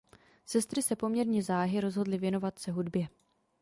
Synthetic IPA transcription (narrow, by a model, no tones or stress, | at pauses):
sɛst̪ɾɪsɛpo̞mɲɛɾɲɛzaːɦɪɾo̞zɦo̞dlɪvjɛno̞vat̪sɛɦudbjɛ